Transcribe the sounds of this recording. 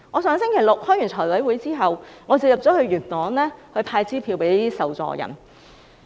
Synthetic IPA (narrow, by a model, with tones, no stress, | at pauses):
ŋɔː˨˧sœː˨˧ŋs̬ɪ˥ŋkʰe˨˩jlʊ˨k̚hɔː˥jy˨˩nt͡s̪ʰtʰɔː˨˩jwɐ˨˥jwuː˨˥jt͡siː˥ɦɐ˨wŋɔː˨˧t͡si˨k̚jɐ˨p̚t͡sɔː˨˥kʰɵ˧ɥyː˨˩nt̪ɔː˨˥nlɛː˥hɵ˧ɥpʰaː˧jt͡siː˥pʰiː˧wpe˨˥jli˥t̪iː˥sɐ˨wt͡sɔ̰ː˧jɐ̰˨˩n